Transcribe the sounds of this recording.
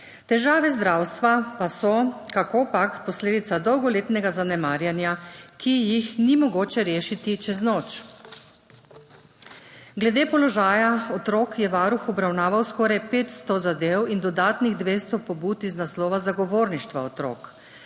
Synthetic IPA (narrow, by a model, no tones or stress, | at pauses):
t̪ɛʒaːʋɛzd̪ɾawst̪ʋapasɔkakopakpɔsleːd̪it̪sad̪ɔwɡɔleːt̪nɛɡazanɛmaːɾjanjakijixnimɔɡoːt͡ʃɛɾeːʃit̪it͡ʃɛznoːt͡ʃ | ɡlɛd̪eːpɔlɔʒaːjaɔt̪ɾokjɛʋaːɾuxɔbɾawnaːʋawskɔɾajpeːt̪st̪ɔzad̪eːwind̪ɔd̪aːt̪niɣd̪ʋeːst̪ɔpɔbuːt̪iznaslɔːʋazaɡɔʋoːɾniʃt̪ʋa̰ɔt̪ɾo̰ːk